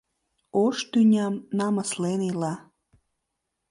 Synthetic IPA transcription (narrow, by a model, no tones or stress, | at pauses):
oʃt̪ynʲɑmnɑməslenilɑ